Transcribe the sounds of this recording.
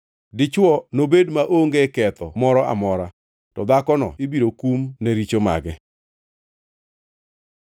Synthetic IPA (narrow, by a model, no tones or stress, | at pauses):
dɪt͡ʃwɔnobedmaʔoŋɡekɛt̪ɔmɔɾɔʔa̰mɔɾa | tɔd̪akɔnɔ̰ibiɾokumneɾit͡ʃoma̰ɡɛ